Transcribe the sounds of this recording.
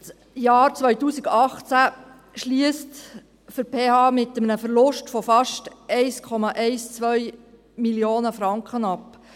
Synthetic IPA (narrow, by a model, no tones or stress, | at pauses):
s | jɑːɾt͡sʋœɥtuːsiɡɑχt͡sæ | ʃliəst | fəɾpʰeːhɑːmɪt̪əmənəfəɾlʊʃtfɔfɑʃtɛɪskʰɔmɑʔɛɪst͡sʋœj | miljoːnəfɾɑŋkχənɑp